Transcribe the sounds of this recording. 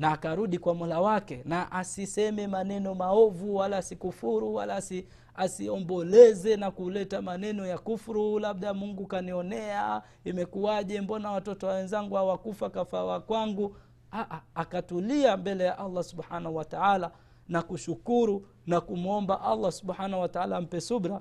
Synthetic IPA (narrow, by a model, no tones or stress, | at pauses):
naːkaɾuɗikwamulawakɛnaʔasisɛmɛmanɛnɔmaɔvuwalaːsikufuɾuwa̰lasi | asiɔmbɔlɛzɛnakulɛtamanɛnɔjakufɾulaɓɗamuŋɡukaniɔnɛa | imɛkuaʄɛmbɔnawatɔtɔwawɛnzaŋɡuhawakufakafawakwaŋɡu | aʔaakatuliambɛlɛjaʔalˤːasubħanahuwataala | nakuʃukuɾu | nakum̩ɔmbaʔalːasuɓħanahwataalam̩pɛsuɓɾa